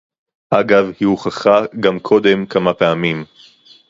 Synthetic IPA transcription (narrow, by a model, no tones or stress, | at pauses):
ʔaɡavhiuχaχaɡamkʰo̞d̪e̞mkamapeamim